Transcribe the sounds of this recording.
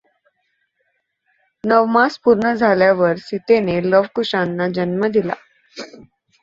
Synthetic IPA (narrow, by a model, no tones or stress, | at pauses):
nəʋmaspuɾɳəd͡zʱaljaʋəɾsit̪eneləʋkuʂanːad͡ʑənməd̪ila̰